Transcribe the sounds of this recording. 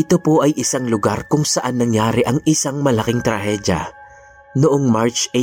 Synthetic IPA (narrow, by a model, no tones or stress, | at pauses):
ʔɪt̪o̞po̞ʔɐjʔɪsaŋlʊɡaɾkʊŋsɐʔanːɐŋjaːɾɪʔɐŋʔɪsaŋmɐlɐkɪŋt̪ɾɐhɛd̪jɐ̰ | noʔoŋmaɹt͡ʃe